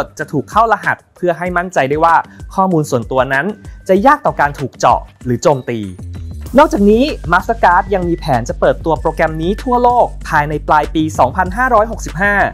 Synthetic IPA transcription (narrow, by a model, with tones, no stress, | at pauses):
t̪̚t͡ɕa˨˩t̪ʰuː˨˩kʰːa˥˩wla˧ɦa˨˩t̪̚pʰɯ˥˩ɐɦa˥˩jma˥˩nt͡ɕa˧jda˥˩jwaː˥˩kʰɔː˥˩muː˧nsu˨˩ənt̪u˧ɐna˦˥nt͡ɕa˨˩jaː˥˩k̚t̪ɔː˨˩kaː˧nt̪ʰuː˨˩k̚t͡ɕɔ̰˨˩ɾɯː˩˦t͡ɕoː˧mt̪iː˧nɔ˥˩k̚t͡ɕaː˨˩k̚niː˦˥ma˦˥sa˧˥kaː˦˥t̪̚ja˧ŋmiː˧pʰɛː˩˦nt͡ɕa˨˩pɤː˨˩t̪ːu˧ɐpɾoː˧kɾɛ˧mniː˦˥t̪ʰu˥˩ɐloː˥˩k̚pʰːaː˧jna˧jplaː˧jpiː˧sɔː˩˦ŋpʰa˧nɦaː˥˩ɾɔː˦˥jɦo˨˩k̚si˨˩p̚ɦaː˥˩